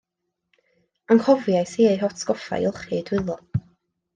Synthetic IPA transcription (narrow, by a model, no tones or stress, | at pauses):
aŋkʰɔvjajsiːejɦɔtskɔfa̰jɪlˠχidwɪlˠɔ